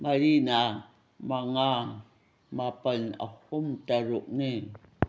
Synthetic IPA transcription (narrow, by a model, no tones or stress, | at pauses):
maɾina | maŋa | mapana̰χomt̪aɻoʔni